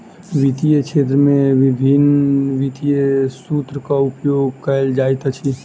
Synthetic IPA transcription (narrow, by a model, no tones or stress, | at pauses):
ʋit̪ijet͡ʃʰeːt̪̬ɾəmẽʋɪbʱinʋit̪ijesut̪ɾəkaʊpjoːɡkəld͡ʒaːjt̪at͡ʃʰi